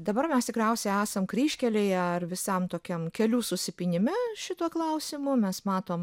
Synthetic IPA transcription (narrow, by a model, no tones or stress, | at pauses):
d̪ɐbɐrmʲɛst̪ʲɪkɾʲɛʊsʲɛæːsɐmkɾʲiːʃʲkʲɛlʲeɪɐrʋʲɪsɐmt̪oːkʲɛmkʲɛlʲuːsʊsʲɪpʲiːnʲɪmʲæʃʲɪt̪uɔklˠɐʊsʲɪmʊmʲɛsmɑːt̪oːm